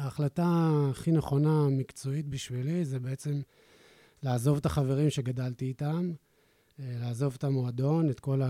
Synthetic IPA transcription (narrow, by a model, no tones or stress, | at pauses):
aːχlataːχine̞χo̞namikt͡so̞itbiʃvilizebe̞et͡se̞m | laːzo̞vet̪aχave̞ʁimʃe̞ɡadaltiːtam | laːzo̞vet̪amoad̪o̞net̪ko̞la